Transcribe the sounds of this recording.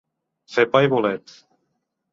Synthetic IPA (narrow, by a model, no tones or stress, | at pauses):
sepajβolet̪